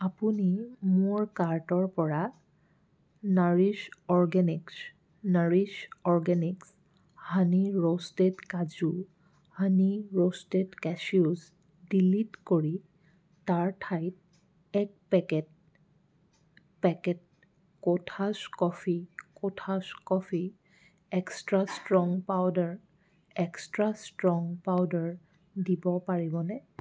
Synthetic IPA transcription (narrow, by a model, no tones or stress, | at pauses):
apunimʊɹkaɹtɔɹpɔɹa | naɹisɔɹɡɛniks | naɹisɔɹɡɛniks | haniɹostetkazu | haniɹostetkɛsiuz | dilitkoɹi | taɹtʰajt̚ | ɛk̚pɛkɛt̚ | pɛkɛt̚ | kotʰaskɔfikotʰaskɔfʰi | ɛkstɹastɹɔŋpawdaɹ | ɛkstɹastɹɔŋpawdaɹ | dibɔpaɹibɔnɛ